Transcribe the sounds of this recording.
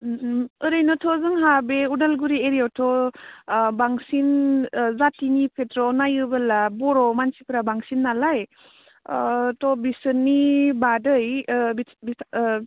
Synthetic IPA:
ɯɾɯjnɔtʰɔzɯŋɦabeudalɡuɾieɾijawtʰɔ | baŋsinzatinipʰetɾɔnajɯbalabɔɾɔmansipʰɾabaŋsinːalaj | tɔbisɯnːibadɯj | bi

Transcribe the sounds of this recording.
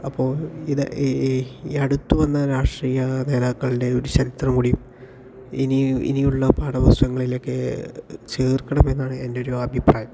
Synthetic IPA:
ɐpːo̞ːɭiðɨ̰ | ɐɽut̪ːuʋɐnːɐɾaːʂʈriːjɐne̞ːðaːkːɐɭinde̞o̞ɾut͡ɕɐɾit̪rɐmkuɽium | iniḭnijuɭːɐpaːɽɐbɐsʋɐŋːɐɭilo̞kːe̞t͡ɕeːrkːɐɳɐme̞nːaːɳɨendeo̞ɾuɐbʱipra̰ːjɐm

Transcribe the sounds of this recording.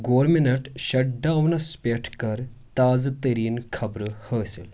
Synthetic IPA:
ɡoːɾminɐʈɕɐʈ̚ɖawnɐspeʈʰkɐɾt̪aːd͡zt̪əɾiːnkʰɐbɾəhəsḛl

